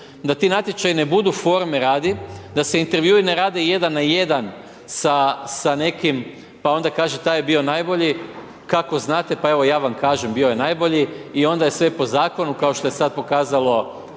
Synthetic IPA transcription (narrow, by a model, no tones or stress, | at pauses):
d̪at̪inat̪jet͡ʃajine̞bud̪ufo̞ɾmeɾaːd̪id̪aseint̪e̞ɾʋjuːine̞ɾaːd̪eje̞d̪anːajed̪an | sasane̞kim | pao̞nd̪akaːʒet̪aːjebio̞najbo̞ʎi | kako̞znaːt̪epae̞ʋo̞jaːʋamkaːʒembio̞je̞najbo̞ʎiio̞nd̪aje̞sʋe̞po̞zaːko̞nukaoʃt̪o̞jesad̪̚po̞kaːzalˠo̞